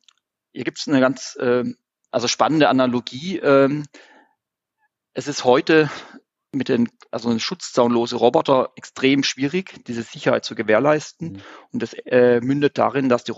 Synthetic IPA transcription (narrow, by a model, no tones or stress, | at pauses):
hiːɐɡiːptsnəɡant͡sʔɛː | ʔalzoʃpanəndəʔanaloɡiːʔɛːm | ʔɛsɪsthɔʏtə | mɪt̚d̥eːnʔalzoʃʊt͡st͡saʊnloːzəʁɔbɔtɐʔɛkstʁ̥eːmʃv̥iːʁɪçd̥iːzəz̥ɪçɐhaɪtt͡suɡəveːɐlaɪstn̩ʊntɛsɛːmʏndət̚d̥a̰ʁɪndasd̥iː